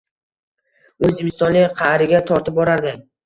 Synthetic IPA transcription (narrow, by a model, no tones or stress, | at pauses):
ɵzɪmɪst̪ɒnlɪqʰɑhɾɪɡʲat̪ʰɒɾt̪ɪp̚bɒɾaɾd̪ɪ